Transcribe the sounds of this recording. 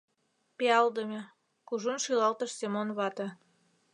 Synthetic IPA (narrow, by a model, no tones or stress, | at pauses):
peɑld̪əmʲe | kuʒunʃilɑlt̪əʃsemonβɑt̪ɤ̆